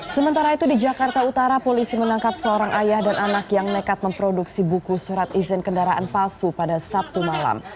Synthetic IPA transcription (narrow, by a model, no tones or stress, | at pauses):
səmənt̪aɾait̪udid͡ʒakart̪aut̪aɾapolisimənaŋkapsəoɾaŋʔajahdanʔanakjaŋnəkat̪̚məmpɾoduksibukusuɾat̪izɪnkəndaɾaʔanpalsupadasap̚t̪umala̰m